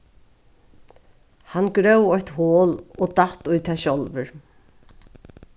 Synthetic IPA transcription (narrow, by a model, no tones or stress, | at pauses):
hanɡɾœwɔçt̪hoːlɔt̪aht̪ʊjt̪ʰɛːʃɔlvʏɹ